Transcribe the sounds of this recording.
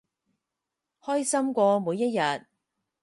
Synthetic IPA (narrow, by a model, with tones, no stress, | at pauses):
hɔː˥jsɐ˥mkʷɔː˧muː˨˧jːɐ˥t̚jɐ˨t̚